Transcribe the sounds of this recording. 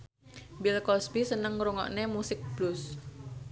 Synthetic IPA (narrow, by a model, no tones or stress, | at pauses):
bilkɔsbisənəŋɾuŋɔ̰ʔnemusɪk̚b̥lus